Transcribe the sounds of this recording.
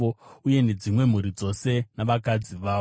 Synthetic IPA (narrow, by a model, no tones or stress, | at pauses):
ouje̞ne̞d͡zimwe̞m̤uɾid͡zo̞se̞naʋakad͡ziʋaː